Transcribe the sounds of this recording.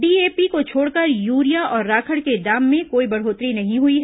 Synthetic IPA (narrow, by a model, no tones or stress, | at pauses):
ɖiːeːpikot͡ʃʰoːɽkəɾjuːɾijaɔːɾːaːkʰəɽked̪aːmːẽkoːibɐɽ̤ɦoːt̪ɾinɐɦĩɦʊiɦɛ